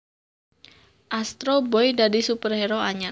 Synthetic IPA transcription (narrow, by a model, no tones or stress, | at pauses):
ʔast̪ɾobɔjdadisupərhɛɾoaɲa